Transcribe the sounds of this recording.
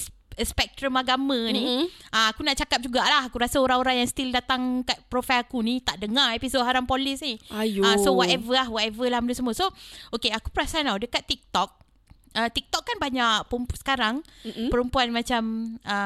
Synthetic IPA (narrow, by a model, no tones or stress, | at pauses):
spɛk̚t̪ɾəmaɡamãnĩaakunaʔt͡ʃakap̚d͡ʒuɡaʔlahakuɾasaoɾaŋoɾaŋjaŋst̪ildat̪aŋkat̪̚pɾofajakunit̪aʔdəŋaepisod̚ɦaɾampɔlisniajasowɔt̪ɛvəlahwɔt̪ɛvəlahmdusəmuəsookeaku̥pəɾasaanawdəkat̪ːik̚t̪ɔk̚ | ət̪ik̚t̪ɔkːanbaɲaʔpəəmpsə̥kaɾaŋpəɾəmpuanmãt͡ʃamə